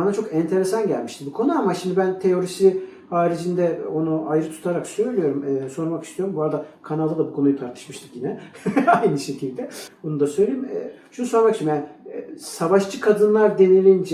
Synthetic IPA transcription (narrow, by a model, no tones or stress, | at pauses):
anat͡ʃʰo̞kɛnt̪ʰe̞ɾe̞sanɟæ̰lʲmiʃt̪ʰibukʰo̞nuamaʃimd̪ibænt̪ʰe̞jo̞ɾisi | haːɾid͡ʒind̪ɛo̞nuʔajɾɯt̪ʰu̥t̪ʰaɾaksø̞jlʲijo̞ɾumɛːso̞ɾmakist̪ijo̞ɾumbuɦaɾad̪akʰanalˠɯlˠabukʰo̞nujut̪ʰaɾt̪ʰɯ̥ʃmɯʃt̪ʰɯ̥kjinɛajnɯʃekʰilʲd̪ɛbonud̪asøjlʲejimɛʃunuso̞ɾmakist͡ʃ̪imjaːnisavaʃt͡ʃʰɯkʰad̪ɯnlˠaɾd̪e̞nilʲind͡ʒ